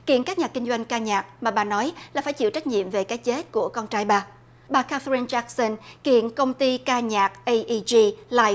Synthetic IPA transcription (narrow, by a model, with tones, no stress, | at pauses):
kḭ˧˨ənkaː˦˥k̚ɲaː˨˩k̚kï˧ŋ̟zwa˧jŋ̟kaː˧ɲaː˨˩k̚maː˨˩ɓaː˨˩nɔ˨˦jlaː˨˩faː˧˩jt͡ɕḭ˧˨wt͡ɕa˦˥jk̚ɲḭ˧˨əmve˨˩kaː˨˦jt͡ɕe˦˥t̚ku˧˩əkɔ˧nt͡ɕaː˧jɓaː˨˩ | ɓaː˨˩kaː˧t̪ɾi˧nt͡ɕa˦˥k̚sə˧nkḭ˧˨ənkə˧wŋ͡mt̪i˧kaː˧ɲaː˨˩k̚ʔə˧jʔi˧zi˧laː˧